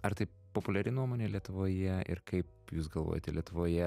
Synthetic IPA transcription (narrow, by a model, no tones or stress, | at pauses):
ɐɾt̪ɐɪ | popʊlʲɛɾʲɪnuɔmoːnʲeːlʲiɛt̪ʊʋoːjɛʔɪ̰ɾkɐɪp̚ | juːs̬ɡɐlˠʋo̰ːjo̰ːt̪ʲɛlʲiɛt̪ʊʋoːjɛ